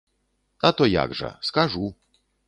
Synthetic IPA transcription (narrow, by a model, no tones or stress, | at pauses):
at̪ɔja̰ɡʐɛ̰skaʐu